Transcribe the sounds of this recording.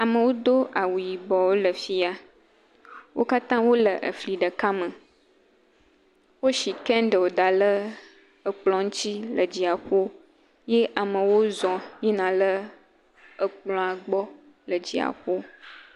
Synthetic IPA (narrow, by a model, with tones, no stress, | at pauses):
a˨mə̃˨wo˦d̪o˦ʔa˨wu˨ji˨bɔ˨wo˦lə˨fi˦a˨ | wʔo̰˦ka˦t̪ã˦wo˦lə˨ʔə̰˨fli˨ɖə˨ka˦mə̃˨ | wo˦ʃi˨kɛ̃˦ɖə˨wo˨d̪a˨lə˦ | ə˨k͡plɔ̃˨ŋ̩˦t͡ɕi˦lə˨d͡ʑi˨a˨xo˦ | je˦ʔa˨mə̃˨wo˦zɔ̃˨je˦nã˨lə˦ | ə˨k͡plɔ̃˨a˨ɡ͡bɔ˦ | lə˨d͡ʑi˨a̰˨xo˦